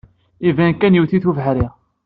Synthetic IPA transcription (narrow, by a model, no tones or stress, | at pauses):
ivænkænjiwθiθuvɦaɾi